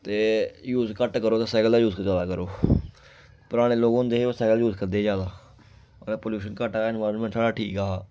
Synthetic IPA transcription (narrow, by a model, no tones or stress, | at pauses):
t̪eːjuːzkəʈkəɾoːt̪aːsɛːkəld̪aːjuːzkzaːd̪aːkəɾoː | pʊɾaːɽ̃eːloːɡʊnd̪eːsɛːkəljuːzkəɾd̪eːd͡ʒaːd̪aː | əlːpoːljuːʃənkəʈaːɪnʋaːɾənmɛ̃ːɳʈsaːɽaːʈʰiːkaː